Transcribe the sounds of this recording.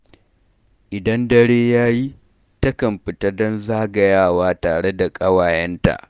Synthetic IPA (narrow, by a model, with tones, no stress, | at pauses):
ʔɪ˨dɐ˦ndɐ˦ɽeː˦jaː˦ji˦ | tɐ˦kɐ˨mɸɪ˨tɐ˦dɔ˦nzaː˦ɡɐ˨jaː˦˨waː˦taː˨ɽe˦da˨kʼɐ˦waː˨jɐ˦nta̰˨ʔ